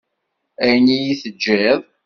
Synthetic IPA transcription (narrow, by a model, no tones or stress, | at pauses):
ænijiθəd͡ʒːiðˤ